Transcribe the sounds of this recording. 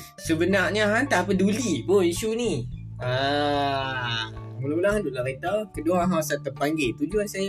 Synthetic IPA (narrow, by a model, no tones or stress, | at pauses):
səbənarɲəɦant̪apədulipoiʃuni | ə | mulaulaɦandulaɾet̪akədoaɦawasat̪əpaŋɡet̪ud͡ʒuansaja